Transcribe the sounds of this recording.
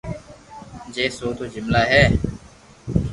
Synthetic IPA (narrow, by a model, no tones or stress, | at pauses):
d͡ʒeːsoːt̪oːd͡ʒɪmlaːɦɛː